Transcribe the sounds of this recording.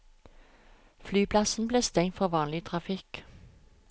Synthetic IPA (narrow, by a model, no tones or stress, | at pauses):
flyːpʰlɑsn̩bleːst̪ɛŋt̪fɔʁʋɑːnlɪt̪ʰʁɑfɪk